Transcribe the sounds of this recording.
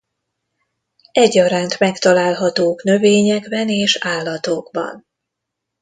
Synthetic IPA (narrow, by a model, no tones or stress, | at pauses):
ɛɟːɒɾaːnt̪mɛkt̪ɒlaːlɦɒt̪oːknø̞veːɲɛɡbɛneːʃaːlːɒt̪oːɡbɒ̰n